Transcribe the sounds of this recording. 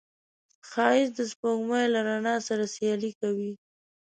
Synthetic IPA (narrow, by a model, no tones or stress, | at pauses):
xɑɪzd̪əspoɡmajlaɾanɑsaɾasjɑlikawi